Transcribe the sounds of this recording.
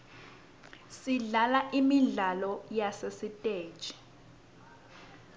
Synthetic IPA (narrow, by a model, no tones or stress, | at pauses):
siɮalaʔimiɮalɔjasesitʼeːd̥ʒ̥ʱʼi̥